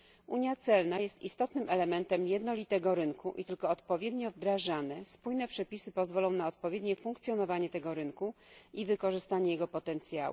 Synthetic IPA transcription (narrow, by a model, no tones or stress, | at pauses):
ʔuɲjat̪sɛlnajɛst̪ist̪ɔt̪nɘmɛlɛmɛnt̪ɛmjɛd̪nɔlʲit̪ɛɡɔɾɘnkʰuʔḭt̪ɘlkɔːt̪pɔvʲjɛd̪ɲɔvd̪ɾaʐanɛspujnɛpʂɛpʲisɘpɔzvɔlɔ̃w̃naɔt̪̚pɔvʲjed̪ɲɛfuŋkt̪sʲjɔnɔvaɲɛt̪ɛɡɔɾɘnkuivɘkɔʐɘst̪aɲɛjɛɡɔpɔt̪ɛnt̪sʲja̰wṵ